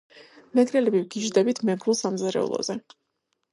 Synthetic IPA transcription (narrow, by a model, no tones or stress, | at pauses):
mɛɡɾɛlɛbivɡid͡ʒd̪ɛbit̪ʰmɛɡɾulˠsamzaɾɛ̰ṵlˠɔ̰zɛ